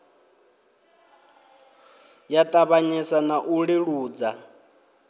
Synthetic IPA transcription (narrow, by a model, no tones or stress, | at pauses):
jatʼaβaɲisanaʔuɺiɺuːd͡za